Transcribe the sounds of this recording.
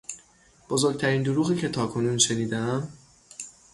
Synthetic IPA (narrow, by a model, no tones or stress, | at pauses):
b̥ozo̞ɾɡ̚t̪ʰæɾiːnd̪oɾuːɣiːcʰe̞t̪ʰɒːkʰo̞nuːnʃe̞niːd̪ææm